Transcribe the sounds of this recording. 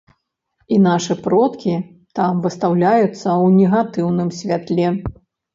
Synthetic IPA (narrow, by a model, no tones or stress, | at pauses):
inaʂɨpɾɔt̪kʲi | t̪amvɨst̪awlʲajut̪sːɐwnʲɛɣat̪ɨwnɨmsʲvʲat̪lʲɛ